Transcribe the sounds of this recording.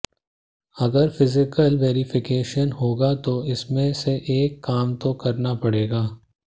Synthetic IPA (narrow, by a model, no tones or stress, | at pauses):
ɐɡəɾfɪzɪkəlʋeːɾɪfʰɪkeːʃənɦoːɡat̪oɪsmẽseʔeːkːaːmt̪okɐɾnapɐɽeːɡaː